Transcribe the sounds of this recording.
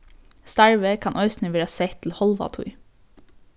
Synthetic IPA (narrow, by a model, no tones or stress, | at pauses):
st̪æɹʋəkʰɑnʔœʏsn̩əʋːɾɑseɪt̪ʰl̩hɔlʋɑ̰t̪ʰṵɪ